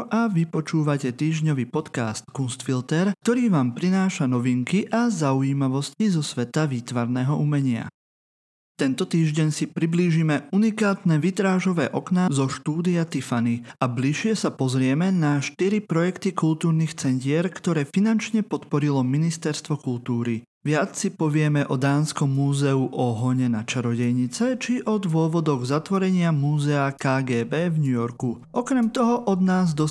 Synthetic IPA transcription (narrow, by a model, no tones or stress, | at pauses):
ʔaʋipɔt͡ʃuːʋacɛt̪iːʒɲɔʋiːpɔt̪ka̰ːst̪kunst̪filt̪ɛɾk̚t̪ɔɾiːʋaːmpɾinaːʃanɔʋiŋkiʔazauiːmaʋɔscizɔsʋɛt̪aʋiːt̪ʋaɾnɛːɦɔʔumɛɲɪa̰ | t̪ɛnt̪ɔt̪iːʒɟɛɲsipɾibliːʒimɛunikaːt̪nɛʋit̪ɾaːʒɔʋɛ̰ːʔɔknazɔʃt̪uːd̪iat̪ifaniabliʃɪɛsapɔzɾɪɛmɛnaʃt̪iɾipɾɔjɛkt̪ikult̪uːɾniːxt͡sɛncɪɛɾkt̪ɔɾɛːfinant͡ʃɲɛpɔt̪pɔɾilɔminist̪ɛɾst̪ʋɔkult̪uːɾi | ʋɪat͡ssipɔʋɪɛmɛʔɔd̪aːnskɔmːuːzɛuʔɔɦɔɲɛnat͡ʃaɾɔɟɛjɲit͡sɛt͡ʃiʔɔd̪ʋʊɔʋɔd̪ɔɣzat̪ʋɔɾɛɲɪamuːzɛakaːɡɛːbɛːvɲujɔɾku | ɔkɾɛmt̪ɔɦɔʔɔd̪naːzd̪ɔ